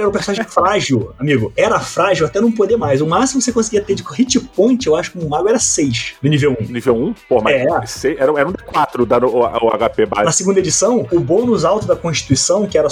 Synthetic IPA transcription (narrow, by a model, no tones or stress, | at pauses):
ɛɾũpesõnaʒẽfɾaʒiwamiɡʊɛɾɐfɾaʒiwat̪ɛnɐ̃w̃pod̪emajzʊmasimʊosekõsɪɡiɐt̪ed͡ʒɪkhit͡ʃipõnt͡ʃɪewaʃʊkɪõmʊmaɡʊɛɾɐsejʃnʊnivewũnivewũpohɐmaɛseɛɾɐ̃w̃ɛɾɐ̃d̪ɪkwat̪ɾʊd̪ɐnʊa̰ʊa̰ɡapeba̰nɐsɪɡũnd̪ed͡ʒisɐ̃w̃ʊbõnʊzawt̪ʊd̪ɐkõʃt͡ʃi̥t̪uisɐ̃w̃kɪɛɾɐ